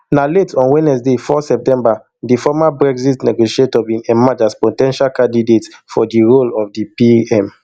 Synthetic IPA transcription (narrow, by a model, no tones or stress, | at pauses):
naletʰɔ̃nwɛnɛsdefɔsɛp̚tɛ̃mba | difɔmabɹɛkzitnɛɡoʃietɔbĩnɛmad͡ʒaspɔtɛ̃nʃalkãndidetfɔdiɹolɔfdipiɛ̃m